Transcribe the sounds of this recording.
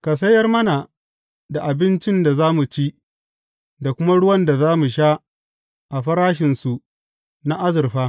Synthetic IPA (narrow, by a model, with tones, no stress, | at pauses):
ka˨s̬ɐ˦jːɐ˦rmɐ˦na˨ | da˨ʔa˨bɪ˦nt͡ʃɪ˦nda˨zaː˦mu˨t͡ʃi˦ | da˨kʷʊ˦ma˦ɽʊ˦wɐ˦nda˨zaː˦mu˨ʃ̬aː˦ | ʔa˨ɸɐ˦ɾaː˦ʃɪ˨nsu˨ʔ | na˦ʔa˦zɪ˨rɸaː˦